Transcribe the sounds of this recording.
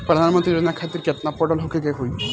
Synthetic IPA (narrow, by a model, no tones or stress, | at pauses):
pɾɔd̪ʱanmɔnt̪ɾiɾod͡ʑinakʰat̪ːiɾkɛʈnapːɔɖɔlɦokʰeɡeɦoj